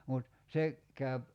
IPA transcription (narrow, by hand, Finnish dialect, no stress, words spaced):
mut se kæyp